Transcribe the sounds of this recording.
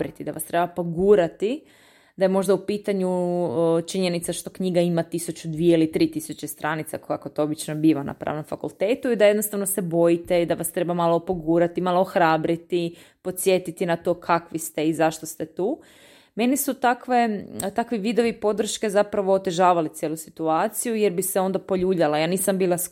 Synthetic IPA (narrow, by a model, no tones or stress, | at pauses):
ɾit̪id̪aʋast̪ɾe̞bapoɡuːɾat̪i | d̪aje̞mo̞ʒd̪aupiːt̪aɲu | t͡ʃiɲe̞nit̪saʃt̪o̞kɲiːɡaimat̪isut͡ɕud̪ʋije̞ilit̪ɾiːt̪isut͡ɕe̞st̪ɾʔanit̪sakokakot̪oobit͡ʃnobiːʋana̰pɾa̰ːʋno̞mfakulˠt̪e̞ːt̪uid̪ajed̪no̞st̪aʋnosebo̞jit̪e̞id̪aʋast̪ɾe̞bamalˠopo̞ɡuːɾat̪imalˠo̞oxɾaːbɾit̪i | po̞t̪sje̞t̪it̪inat̪o̞kʰakʋist̪e̞izaʃt̪ost̪e̞t̪uː | me̞nisut̪akʋe̞t̪akʋiʋid̪o̞ʋipo̞d̪r̩ʃke̞zapɾaʋo̞ːt̪e̞ʒaːʋalit̪sjeːlusi̥t̪uaːt̪sijujeɾbiseo̞nd̪apo̞ʎuːʎalajaːniːsambiːlˠas